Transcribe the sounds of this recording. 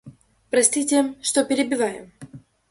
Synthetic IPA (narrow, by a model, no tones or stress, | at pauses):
pɾɐsʲt̪ʲitʲemʂt̪opʲɪɾʲɪbʲɪvajɪ̰m